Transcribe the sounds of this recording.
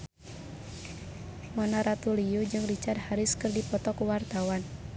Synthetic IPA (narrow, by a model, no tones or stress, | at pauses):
mɔnaɾat̪uliud͡ʒɨŋrit͡ʃardhaɾiskɨrdipɔt̪ɔkuwart̪awan